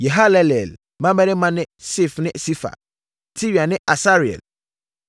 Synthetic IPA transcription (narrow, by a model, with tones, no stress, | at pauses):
jɛ˨ɦa˦lɛ˦lɛ˨l | mã˦mɛ̃˦nɪ̃˦mã˦nɪ̃˦si˦˨fnɪ̃˦si˦fa̰˨ | tʰi˦ɥi˨a˨nɪ̃˦ʔa˨sa˦ɾi˨ɛ̰˨l